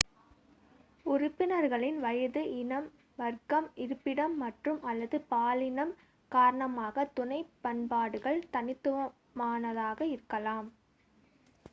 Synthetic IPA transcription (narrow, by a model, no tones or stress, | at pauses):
ʊɾʊpːɪnɐɾɣɐɭɪnʋɐjɐðɯʔɪnɐm | ʋɐɾkɐmɪɾɯpːɪɽɐmːɐʈrɯmɐlːɐðɯpaːlɪnɐm | kaːɾɐɳɐmaːɣɐt̪ʊnɐɪpːɐnpaːɽɯɣɐɭt̪ɐnɪt̪ːɯʋɐ | maːnɐðaːɣɐɪɾɯkːɐlaːm